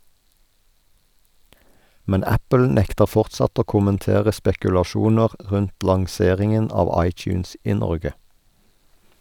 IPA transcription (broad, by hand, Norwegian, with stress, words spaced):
ˈmɛn ˈæpəl ˈnɛktəʁ ˈfɔʁtsɑt ˈoː kʊmənˈteːʁə spɛkʉlɑˈʃuːnəʁ ˈʁʉnt lɑŋˈseːʁɪŋən ˈɑːʋ ˈɑɪˌt͡ʃʉːns ˈiː ˈnɔʁɡə